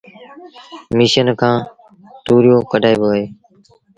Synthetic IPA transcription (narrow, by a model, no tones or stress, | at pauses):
miːʃənkʰãː | t̪uːɾjoːkəɖʱaːeːboːeː